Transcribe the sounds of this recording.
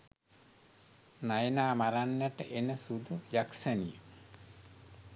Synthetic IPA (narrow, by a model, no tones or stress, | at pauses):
najnaːmaɾanjaʈə̰ʔenəsud̪ujaksənijə